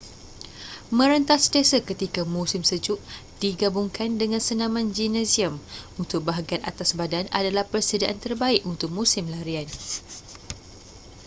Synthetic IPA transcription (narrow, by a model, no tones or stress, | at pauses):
mə̃ɾənt̪astesəkət̪ikamũsɪmsəd͡ʒʊʔ | d̥iɡabuŋkʰandəŋãnsənãmãnd͡ʒinɛsiəmunt̪ʊk̚baɦaɡiana̰t̪asbadana̰dalahpərsədaʔant̪ərbaiʔunt̪ʊk̚musɪmlaɾian